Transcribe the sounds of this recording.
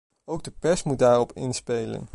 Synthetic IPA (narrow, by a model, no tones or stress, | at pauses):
owɡ̚dəpɛsmut̚daːrɔpɪ̰nspejlə̰n